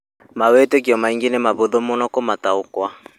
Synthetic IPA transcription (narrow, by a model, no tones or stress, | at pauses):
mawetek̬iɔmaiŋɡenemaβoðomonɔkomataokwa